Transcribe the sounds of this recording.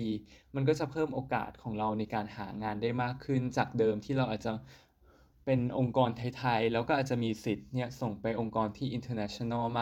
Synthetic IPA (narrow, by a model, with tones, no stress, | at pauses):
iː˧ma˧nk̬ɔː˥˩t͡ɕa˨˩pʰɤː˥˩mʔoː˧ka̰ː˨˩t̪̚kʰɔː˩˦ŋɾa˧wna˧jkaː˧nhaː˩˦ŋaː˧ndaː˥˩jmaː˥˩kʰːɯ˥˩nt͡ɕaː˨˩k̚dɤː˧mt̪ʰiː˥˩ɾa˧wʔaː˨˩t͡ɕa˨˩ | pe˧nʔo˧ŋkɔː˧nt̪ʰa˧jt̪ʰa˧jlɛː˦˥wkɔː˥ʔaː˨˩t͡ɕa˨ʔmiː˧si˨˩t̪̚ni˥˩ɐso˨˩ŋpa˧jʔo˧ŋkɔː˧nt̪ʰiː˥˩ʔi˧nt̪ʰɤː˧nɛ˦˥t͡ɕʰo˧na˥˩ma˥